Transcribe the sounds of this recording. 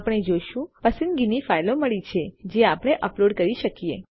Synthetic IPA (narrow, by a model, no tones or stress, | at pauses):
pɳ̃ed͡ʒojʃũpəsənɡinifajloməɭit͡ʃʰed͡ʒeapɽ̃eʔəploɖkəɾiʃəkiḛ